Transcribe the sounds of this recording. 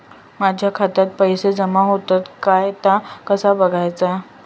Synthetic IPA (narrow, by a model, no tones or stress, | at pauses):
mad͡ʑʱjakʰat̪at̪̚pəjsed͡zəmaɦot̪at̪kajt̪akəsabəɡʱajt͡sa